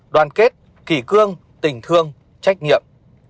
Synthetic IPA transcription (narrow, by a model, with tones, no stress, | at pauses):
ɗwaː˨˩nke˦˥t̚ | ki˧˩kɨ˧əŋ | t̪ï˨˩ŋ̟t̪ʰɨ˧əŋ | t͡ɕa˦˥jk̟̚ŋḭ˧˨əm